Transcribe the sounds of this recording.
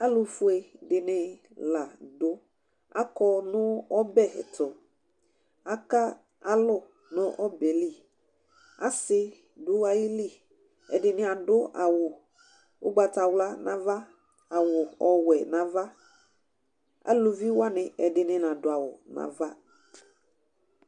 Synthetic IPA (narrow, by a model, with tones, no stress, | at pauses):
a˦lʊ˨fʊ˨e˨dɪ˨nɪ̃˨ | la˨dʊ˦ | a̰˦kɔ˦nʊ̃˦ɔ˦bɛ˦˨tʰʊ˨ | a˦ka˦ | a˦lʊ˦ | nʊ̃˦ʔɔ˦bɛ˨li˦˨ | a˦sɪ˦ | dʊ˨˦a˨jɪ˦li˦˨ | ɛ̰˨dɪ˨nɪ̃˨a˨dʊ˦a˨wʊ˨ | wʊ̰˦ɡ͡ba˨ta˨wla˦nã˦va˦ | a˨wʊ˨ɔ˨wɛ˨nã˨va˦ | a̰˦lo˨vi˦wa˦nɪ̃˨ʔɛ˨dɪ˨nɪ̃˨nã˨dʊ˨a˨wʊ˨nã̰˨va˦